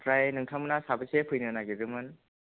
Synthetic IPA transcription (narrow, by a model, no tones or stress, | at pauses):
tɾajnɯŋtʰamɯnasabɯsepʰɯjnɯnaɡiɾɯmɯn